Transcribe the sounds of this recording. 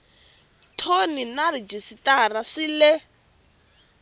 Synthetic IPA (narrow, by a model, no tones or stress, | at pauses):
tʰoninarid͡ʒisitaraʂilɛ